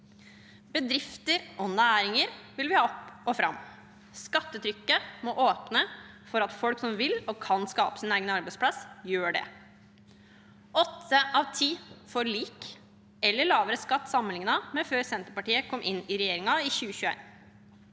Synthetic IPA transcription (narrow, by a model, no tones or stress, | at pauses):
bəd̪ɾɪft̪əɾʔɔnæːɾɪŋəɾʋɪlʋɪhɑːɔpɔfɾɑ̰mː | skɑt̪ːət̪ʰɾʏkːəmɔʔoːpnəfɔɾɑt̪fɔlksɔmʋɪlɔkʰɑnskɑ̰ːpə̥sɪneːɡənɑɾbæɪtspʰlɑsjøːɖɛ̰ | ɔt̪ʰːəʔɑʋt̪ʰiːfɔɾɭiːk | ɛlːəɭɑːʋəɾəskɑt̪ːsɑmːənɪŋnɑmɛføːɾsɛnt̪əɾpɑʈiːəkʰɔmːʔɪnɪɾɛjeːɾɪŋɑɪçʉːəçʉːḛɪn